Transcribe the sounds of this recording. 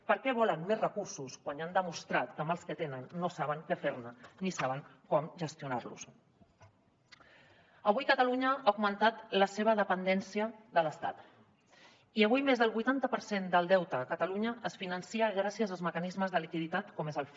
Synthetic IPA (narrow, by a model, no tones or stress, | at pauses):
pəɾkɛβ̞ɔlənmezrəkuɾsuskwaɲand̪əmust̪ɾat̪kəməlˠskət̪enənːosaβəŋkɛfeɾnənisaβəŋkɔmʒəst̪iuna̰ɾlṵs | əβujkət̪əluɲəauɡmənt̪at̪ləseβ̞əðəpənd̪ɛnsiəðələst̪a̰t̪ | iəβ̞ujmezðəlˠβujt̪ant̪əpəɾsend̪əlˠd̪ɛwt̪əkət̪əluɲəʔːsfinənsiəɣ̞ɾasiəzalˠzməkənizməzðəlikiðit̪at̪kɔmezəlˠ